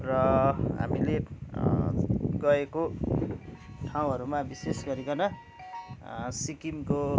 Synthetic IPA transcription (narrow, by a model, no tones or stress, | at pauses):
rʌɦa̰mile | ɡʌeko | ʈʰaw̃ɦʌɾumabisesɡʌɾikʌnʌ | sikimko